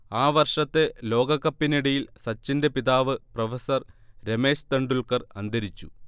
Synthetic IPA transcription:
aːʋɐrʂɐt̪ːe̞lo̞ːɡɐkːɐpːiniɽɐjilsɐt͡ɕːinde̞piðaːʋɨprɐfɐsɐrɾe̞me̞ːɕt̪ɐɳɖuɭkɐrɐnd̪ʱɐɾit͡ɕːu

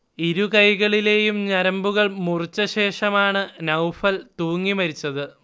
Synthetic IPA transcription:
iɾukɐjɣɐɭile̞ːjumɲɐɾɐmbuɣɐɭmurɨt͡ɕːɐɕe̞ːʂɐmaːɳɨnɐwfɐlt̪uːŋːimɐɾit͡ɕːɐðɨ

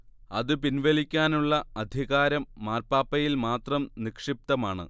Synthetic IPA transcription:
ɐ̰ðɨpinʋɐlikʲːaːnuɭːɐɐd̪ʱiɣaːɾɐmːaːrpaːpːɐjilmaːt̪rɐmnikʂip̚t̪ɐmaːɳɨ̰

